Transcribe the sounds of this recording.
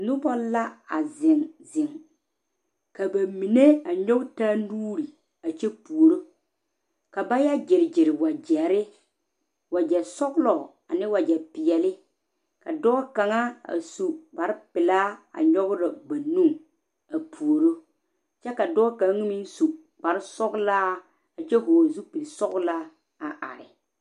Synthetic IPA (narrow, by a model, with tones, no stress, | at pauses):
nʊ˦bɔ˦la˦a˨zɪ˨ŋzɪ˨ŋ | ka˨ba˨mi˨ne˦a˨ɲɔ˦ɡta˦nuː˦ɾi˨ | a˨t͡ʃɛ˦pu˨o˨ɾo˦ | ka˨ba˦ja˦d͡ʒɪ˨ɾɪ˨d͡ʒɪ˨ɾɪ˨wa˨d͡ʒɛ˨ɾɪ˦ | wa˨d͡ʒɛ˨sɔ˦ɡlɔ˨ | a̰˨nɪ˦wa˨d͡ʒɛ˨pɪ˨jɛ˨lɪ˦ | ka̰˨dɔː˦ɔ˦ka˨ŋa˦a̰˨su˨ba˨ɾɪ˦pɪ˨laː˦a̰˨ɲɔ˦ɣʊ˦ɾa˨ba˨nu˦ŋ | a˨pʰu˨o˨ɾo˦ | t͡ʃɛ˦ka˨dɔː˦ka˨˦ŋ˦mi˦n˦su˨ | ba˨ɾɪ˦sɔ˦ɡlaː˦ | a˨t͡ʃɛ˦ɦʊ˨zu˦pi˨sɔ˦ɣʊ˦la˦ | a˨ʔa̰˨ɾɪ˨